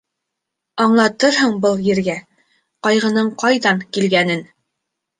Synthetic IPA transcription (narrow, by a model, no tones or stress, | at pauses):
ɑɴlˠɑt̪ɤɾɦɤɴbɤlˠjɘ̆ɾɡæ | qɑjʁɤ̆nɤɴqɑjðɑnkilɡænɘn